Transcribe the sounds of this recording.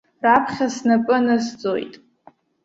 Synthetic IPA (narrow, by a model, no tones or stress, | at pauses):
rapʰχʲasnapʼɨnasd͡zʼo̰jtʼ